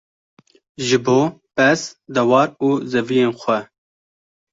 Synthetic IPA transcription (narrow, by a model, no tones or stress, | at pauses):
ʒɨboːpɛsd̪ɛwɑːɾuːzɛvijeːnxʷɛ